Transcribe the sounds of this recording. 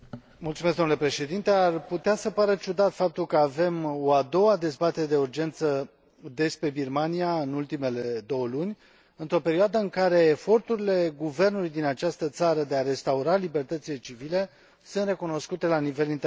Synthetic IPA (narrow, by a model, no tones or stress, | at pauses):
mult̪sumesɡd̪o̞nlepɾe̞ʃe̞d̪int̪e̞arput̪easəpaɾət͡ʃud̪at̪fap̚t̪ulkəave̞mo̞ad̪o̞wad̪e̞zbat̪e̞ɾed̪e̞urd͡ʒe̞nt̪sə | d̪e̞spɾe̞birmaniaɨnult̪ime̞led̪o̞wəlunʲ | ɨnt̪ɾo̞pe̞ɾiad̪əɨŋkaɾe̞ːfo̞rt̪uɾile̞ɡuve̞rnulujd̪inat͡ʃast̪ət̪saɾəd̪e̞aɾe̞st̪auɾalibe̞rt̪ət̪sile̞t͡ʃivile̞ | sunt̪re̞kuno̞skut̪e̞lanive̞lint̪